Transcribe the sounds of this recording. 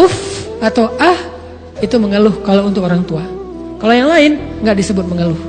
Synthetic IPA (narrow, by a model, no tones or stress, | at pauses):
ʊfat̪awʔah | it̪uməŋəlʊhkalount̪ʊkoɾaŋt̪uakalojaŋlaɪnŋɡaʔdisəbʊt̪̚məŋəlʊh